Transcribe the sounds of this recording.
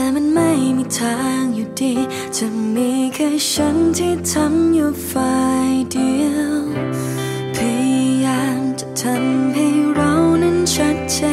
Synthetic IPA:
tɛː˨˩ma˧˥˧nma˥˧˩jmiː˧t̪ʰaː˧˦ŋjuː˨˩diː˧˩ | t͡ɕa˨˧˩miː˧˥kʰa˧˩jt͡ɕa˧˦˥nt̪ʰiː˧˥˩t̪ʰa˧˥mjuː˧˩faː˧jdi˧ | pʰa˧jjaː˧mt͡ɕa˨˩t̪ʰa˧˥mɦa˥˧˩jɾa˧˥wna˧ŋt͡ɕʰa˦˥t̚t͡ɕa˧

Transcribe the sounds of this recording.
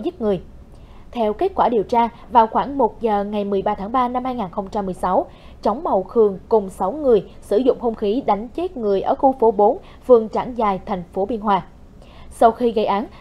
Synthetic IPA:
zɨ˦˥t̚ŋɨ˨˩əj | t̪ʰɛ˧wke˦˥t̚kwaː˧˩ɗi˨˩əwt͡ɕaː˧ | vaː˨˩wxwaː˧˩ŋmo˨˩t̚zəː˨˩ŋa˨˩jmɨ˨˩əjɓaː˧t̪ʰaː˨˦ŋɓaː˧na˧mhaː˧jŋaː˨˩nxə˧wŋ͡mt͡ɕa˧mːɨ˨˩əjsa˨˦w | t͡ɕa˨˦wŋ͡mma˨˩wxɨ˨˩əŋkʊ˨˩ŋ͡msa˨˦wŋɨ˨˩əjsɨ˧˩zʊ̰˧˨ŋ͡mho˧mxi˨˦ɗa˨˦jŋ̟t͡ɕe˦˥t̚ŋɨ˨˩əjʔəː˧˩xu˧˩fo˨˦ɓo˨˦n | fɨ˨˩əŋt͡ɕa̰ː˧˩nzaː˨˩jt̪ʰjŋ̟fo˨˦ɓi˧ənɦwaː˧ | sa˧wxi˧ɣə˧jʔaː˨˦n

